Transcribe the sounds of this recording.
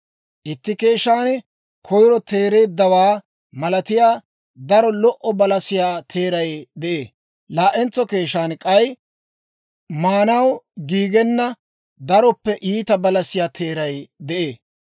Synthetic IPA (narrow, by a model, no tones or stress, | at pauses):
ʔɪt̪ːɪke̞ːʃːaːn | kʰɔjɾɔt̪e̞ːɾe̞ːd̪ːɐwaː | mɐlɐt̪ɪjaː | d̪ɐɾɔlɔʔɔbɐlɐsɪjaːt̪ʰe̞ːɾɐjd̪ɛʔeː | laːʔɛnt͡sːɔke̞ːʃaːnkʼɐj | maːnɐwɡiːɡɛnːɐ | d̪ɐɾɔpːɛʔiːt̪ɐbɐlɐsɪjaːt̪ʰeːɾɐjd̪ɛʔeː